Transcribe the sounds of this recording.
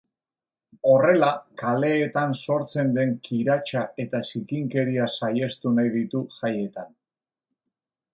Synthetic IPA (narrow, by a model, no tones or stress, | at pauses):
o̞re̞lakale̞ːt̪anso̞ɾt͡se̞nd̪e̞ŋkʰiɾat͡ʃae̞t̪asikiŋke̞ɾiasaje̞st̪unajðit̪uʝaje̞t̪an